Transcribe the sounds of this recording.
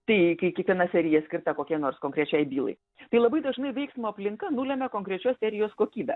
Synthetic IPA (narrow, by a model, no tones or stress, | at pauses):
t̪ɐɪkɐɪkʲiɛkʋʲiɛnɐsʲɛɾʲɪjɛsʲkʲɪrɾt̪ɐkoːkʲiɛnoːrskoːŋʲkɾʲɛt͡ʃʲɛɪbʲiːlˠɐ̰ɪ | t̪ɐɪlˠɐbɐɪd̪ɐʒnɐɪʋʲɛɪksmoːɐpʲlʲɪŋkɐnuːlʲɛmʲɛkoːŋkɾʲɛt͡ʃʲoːssʲɛɾʲɪjoːskoːkʲiːbʲɛ